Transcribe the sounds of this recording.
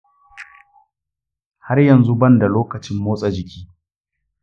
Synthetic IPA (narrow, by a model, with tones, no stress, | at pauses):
ha˦rjɐ˨nzu˦bɐ˦nda˨loː˦kɐ˨t͡ʃɪ˦mːoː˦sʼɐ˨d͡ʒɪ˨kʲiː˦